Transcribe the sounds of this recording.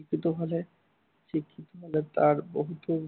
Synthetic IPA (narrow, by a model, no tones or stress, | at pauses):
ikːit̪oɦole | t͡ɕikʰːit̪oɦolet̪aɾboɦut̪o